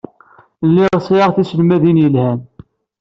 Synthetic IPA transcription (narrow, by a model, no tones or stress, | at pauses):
lːiʁsˤiɑʁθisəlmæðinjəlhæn